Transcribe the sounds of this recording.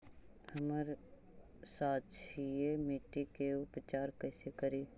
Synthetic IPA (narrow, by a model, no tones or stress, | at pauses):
hɐməɾ | saːt̪t͡ʃʰijemiʈːikeʊpt͡ʃaːɾkəːsekəɾiː